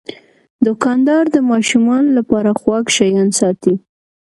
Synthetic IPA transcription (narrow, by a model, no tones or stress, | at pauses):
d̪ʊkɑnd̪ɑɾd̪əmɑʃumɑnolapɑɾaxwɑkʃajɑnsɑt̪i